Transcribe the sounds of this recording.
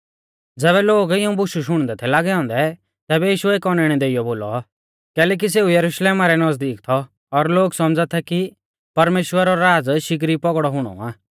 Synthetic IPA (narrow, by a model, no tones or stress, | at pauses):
d͡zɛːβɛloːɡɪũbʊʃuʃ̬ʊɽ̃d̪ɛt̪ʰɛlaːɡɛɔ̃ːnd̪ɛ | t̪ɛːbɛjiːʃuɛeːkɔnɛɽ̃ɛd̪eːɪjɔboːlɔ | kɛːlɛːk̬is̬eːujɐɾuʃleːmaɾɛnɐzd̪iːkt̪ʰɔː | ɾloːɡsɔmd͡zat̪ʰɛki | pɐɾmeːʃwəɾɔɾaːd͡zʃɪk̬ɾipɔɡɽɔɦʊɽ̃ɔ̰aː